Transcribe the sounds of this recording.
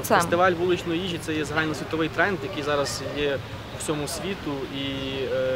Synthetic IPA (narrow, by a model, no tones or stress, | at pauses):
est̪ɪʋɑlʲʋulˠɪt͡ʃnɔjiʒʲit̪sɛjɛzɐɦɑlʲnɔsʲʋʲit̪ɔʋɪjt̪ɾɛnd̪jɐkɪjzɑɾɐz̥jɛ | wt͡sʲɔmʊsʲʋʲit̪ʊi